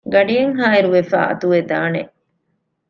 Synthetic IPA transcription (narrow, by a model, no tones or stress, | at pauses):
ɡɐɖijeŋɦaːiɾuʋefa̰ːʔɐ̰t̪uʋed̪aːnḛ